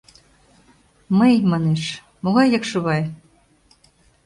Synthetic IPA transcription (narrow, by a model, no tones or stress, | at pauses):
məjmɑneʃ | moɣɑjːɤkʃŏβɑj